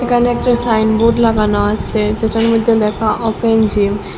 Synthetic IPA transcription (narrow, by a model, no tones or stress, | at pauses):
ekʰaneɛk̚ʈasajnbuɖlaɡanoat͡ɕʰed͡ʑeʈaɾmod̪ʱːelɛkʰaʔɔpend͡ʑim